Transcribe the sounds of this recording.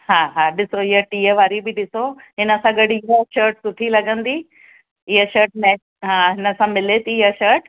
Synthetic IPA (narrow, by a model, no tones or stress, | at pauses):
ɦãːɦaːɗɪsoɪɦəʈiːəʋaːɾibɪɗɪsoɦɪnəsãɡɐɽɪɦəʃəːɾʈsʊʈʰilɐɡə̃nd̪iː | ɪɦəʃəɾʈ̚nɛː | ɦãːɦɪnəsãmɪlet̪iːɦəʃəɾʈ